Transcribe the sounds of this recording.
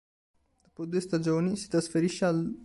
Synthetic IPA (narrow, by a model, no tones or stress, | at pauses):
d̪upod̪ujst̪ad͡ʒeonisi̥t̪ɾãnsfeɾiʃeal